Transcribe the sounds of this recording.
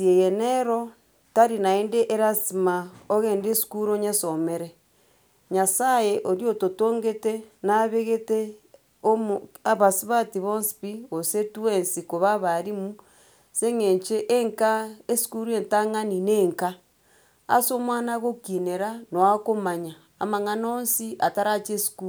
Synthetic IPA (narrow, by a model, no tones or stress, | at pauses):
siejeneɾo | taɾinaeːndeʔeɾasimaoɣeːndesi̥kuɾoɲesomeɾe | ɲasajeʔoɾjototoːŋɡetenaβeɣete | omaβasiβatiβonsi̥piɣosetuensikoβaβaɾimu | seŋeːɲt͡ʃeʔeŋkaesi̥kuɾuentaŋanineːŋka | a̰somwaːnaɣokineɾanoakomaɲaːmaŋanaoːnsiʔataɾat͡ʃesi̥kuː